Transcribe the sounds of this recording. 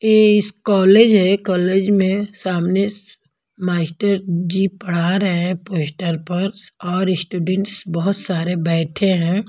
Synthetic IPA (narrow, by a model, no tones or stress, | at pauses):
eːɪskɔːleːd͡ʒɦɛkɔːleːd͡ʒmẽsaːmne | maːsʈəɾd͡ʒipəɽ̤aɾɐɦeɛ̃poːsʈəɾpɐɾsɔːɾɪsʈuːɖẽɳʈsbɔɦʊt̪saːɾebɛːʈʰeɦɛ̃ː